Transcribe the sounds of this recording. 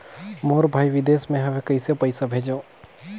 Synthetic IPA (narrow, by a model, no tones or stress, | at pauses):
moːɾbʱaːiʋɪd̪eːsmẽɦɐmẽkɐisepɐɪsabʱeːd͡ʒõː